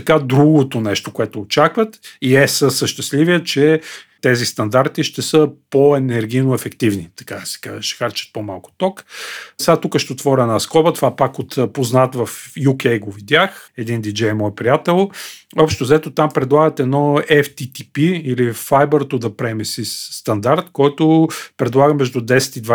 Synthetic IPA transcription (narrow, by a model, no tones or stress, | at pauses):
t̪ɐkad̪ɾuɡot̪onɛʃt̪okoɛt̪oːt͡ʃakvət̪iɛsəsəʃt̪ɛst̪livijət͡ʃɛt̪ɛzist̪ɐnd̪aɾt̪iʃt̪ɛsəpoɛnɛɾɡʲijnoɛfɛkt̪ivnit̪ɐ̥kad̪ɐsɛ̥ka̰ʃt̪ɛ̥xaɾt͡ʃə̥t̪̚pomalˠkʊ̥t̪ɔksɛɡat̪ukəʃt̪ɛot̪vɔɾʲiɛnaskɔbət̪ovapakot̪poznat̪vɐfjukʲɛjɡovid̪ʲjaxɛd̪ind̪id͡ʒɛjɛmɔjpɾijat̪ɛlˠɔpʃt̪ʊzɐɛt̪ot̪ampɾɛd̪lˠaɡət̪ɛd̪nɔɛft̪it̪ipiːlifajbɛɾt̪od̪ɐpɾɛmɛsisːt̪ɐnd̪aɾt̪kɔjt̪ʊpɾɛd̪lˠaɡəmɛʒd̪ud̪ɛsɛ̥t̪id̪va